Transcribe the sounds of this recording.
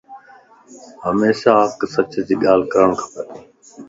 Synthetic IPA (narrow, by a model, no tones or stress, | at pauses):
ɦəmeːʃaːɦəksət͡ʃd͡ʒiːɠaːl̤kəɾəɳkʰḁpəteː